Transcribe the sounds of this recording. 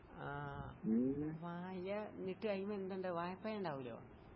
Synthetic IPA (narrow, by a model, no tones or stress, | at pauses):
aː | ʋaːjɐniʈːɨɐjmɐend̪ɐɳɖɨʋaːjɐpːɐjɐɳɖaːʋulo̰ː